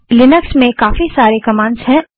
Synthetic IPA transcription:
lɪnəksmẽkaːfisaːɾekɐmãːnsɦɛ̃

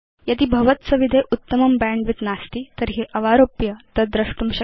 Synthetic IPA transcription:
jad̪iːbʱɐʋət̪t͡səʋid̪ʱeʔut̪ːəməmbɛɳɖʋit̪nast̪iːt̪əɾɦiʔəʋaɾopjət̪əd̪ɾəʂʈumɕə

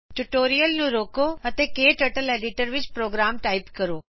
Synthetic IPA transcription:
ʈuʈoːɾijəlnũɾoːkoɐt̪ekeːʈɐʈəleːɖiʈəɾʋɪt͡ɕpɾoːɡɾaːmʈaːɪpkɐɾoː

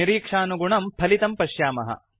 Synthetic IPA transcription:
iɾiːkʂaːnuɡuɳɐmpʰɐlit̪ɐmpɐʃjaːmɐ̰ɦɐ̰

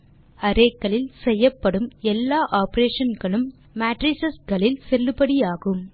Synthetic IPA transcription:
ɐɾeːkːɐɭɪlsɛjːɐpːɐɽɯmɛlːaːʔaːpɐɾeːʂɐnɡɐɭɯmː | aːʈɾɪsɐsɡɐɭɪlsɛlːɯpɐɽijaːɣɯm

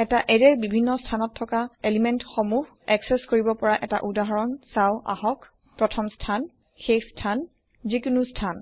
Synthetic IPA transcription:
ɛtaʔɛdɛɹbibʱinːɔstʰanɔtʰːɔkaelimɛntxomuh | ɛksɛskoɹibɔpɔɹaʔɛta̰ʔudaɦɔɹɔnsawʔa̰hɔk | pɹɔtʰɔmstʰan | xejstʰan | zikunustʰan

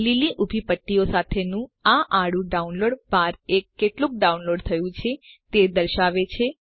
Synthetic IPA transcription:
liliʔubʱipəʈːiosat̪ʰenũaʔaɽũɖaunloɽbaɾekːeʈlũk̚ɖaunloɖt̪ʰəjũt͡ʃʰet̪ed̪əɾʃaʋet͡ʃʰe

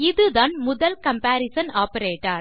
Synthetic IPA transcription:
ɪðɯd̪aːnmʊðɐlkɐmpaːɾɪsɐnaːpɐɾeːʈːa̰ːɾ

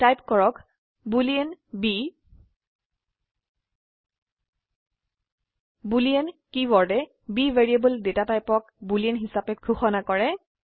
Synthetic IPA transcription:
tajpkɔɹɔk | buliɛnbi | buliɛnkibɔɹdɛ | biveɹiabɔldetatajpɔk | buliɛnɦisapɛɡʰʱuxɔnakɔɹɛ

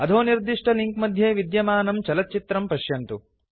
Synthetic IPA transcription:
ɐd̪ʱoːniɾd̪iʂʈɐliŋkmɐd̪ʱjeːʋid̪jɐmaːnɐmt͡ʃɐlɐt̪̚ːt͡ʃit̪ɾɐmpɐʃjɐnt̪u

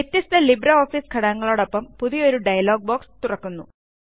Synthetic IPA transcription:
et̪ːist̪ɐlibɾɐoːfiːskʰɐɽɐɐŋːɐɭoːɽopːɐmpuðijo̞ɾuɖɐjɐlo̞ːɡ̚boːkst̪urɐkːunːṵ

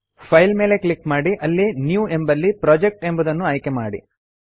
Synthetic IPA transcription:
pʰɐjlme̞ːle̞klikmaːɽiʔɐlːinjuːe̞mbɐlːipɾaːd͡ʒek̚ʈe̞mbɐd̪ɐnːuɐjkema̰ːɽḭ

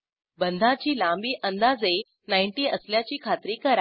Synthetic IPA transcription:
bənd̪ʱat͡ɕiːlãmbiːʔənd̪ad͡ze | najɳʈiːəsljat͡ɕiːkʰat̪ɾiːkəɾa

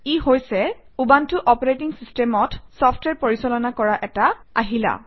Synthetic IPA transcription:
ihojsɛ | ubantʊʔɔpɔɹetiŋsistɛmɔtsɔpʰtwɛɹpoɹisɔlɔnakɔɹaʔɛtaa̰ɦila̰

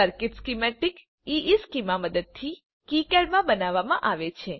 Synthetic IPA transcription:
əɾkɪʈskimɛʈik | iʔiskimaməd̪əd̪̚t̪ʰi | kikɛɽmãbənaʋamã̰ʔaʋet͡ʃʰe

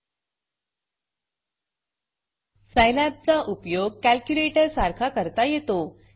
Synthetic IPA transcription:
sajlæp̚t͡saʔupjoɡ̚kælkjuleʈəɾsaɾkʰakəɾt̪ajet̪o

